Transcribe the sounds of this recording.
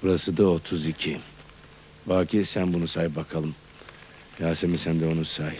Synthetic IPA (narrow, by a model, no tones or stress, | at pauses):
buɾasɯd̪aot̪ʰuzicʰi | baːcʰʲisænbunusaːjip̚bakʰalˠɯm | jaːsemisænd̪ɛo̞nusaːɦi